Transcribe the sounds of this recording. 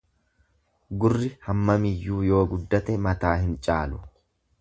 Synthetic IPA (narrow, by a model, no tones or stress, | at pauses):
ɡʊrːɪhɐmːɐmɪjːuːjo̞ːɡʊd̪ːɐt̪ɛmɐt̪aːhɪnt͡ʃʼaːlʊ